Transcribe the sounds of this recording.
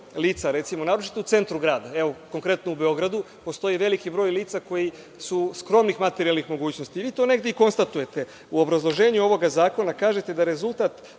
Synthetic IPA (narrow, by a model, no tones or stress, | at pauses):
liːt̪saɾe̞t̪simo̞naːɾot͡ʃi̥t̪out̪se̞nt̪ɾuɡɾaːd̪ae̞ʋoko̞ŋkɾe̞t̪noubeo̞ɡɾad̪u | po̞st̪o̞jiʋe̞likibɾo̞ːjliːt̪sako̞ji | suskɾo̞mnixmat̪eɾialnixmo̞ɡuːt͡ɕno̞st̪iːʋiːt̪o̞ne̞ɡd̪eiko̞nst̪at̪uje̞t̪e̞ | uo̞bɾazlˠo̞ʒe̞ːɲuo̞ʋo̞ɡazaːko̞nakaːʒe̞t̪e̞d̪aɾe̞zulˠt̪at̪